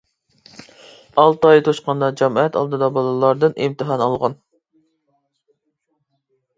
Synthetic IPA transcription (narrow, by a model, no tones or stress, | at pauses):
ɑlˠt̪ɑjt̪ʰoʃqɑnd̪ɑd͡ʒɛmɑɛt̪ɑ̰lˠd̪ɨd̪ɑbɑlˠɨlˠɑɾd̪ɨnʔimt̪ɨɦɑnɑlˠʁɑn